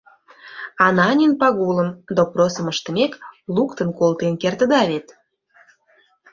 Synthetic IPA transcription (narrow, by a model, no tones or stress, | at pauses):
ɑnɑnʲinpɑɣulə̆md̪oprosə̆məʃt̪əmeklukt̪ənkolt̪enkert̪əd̪ɑβet̪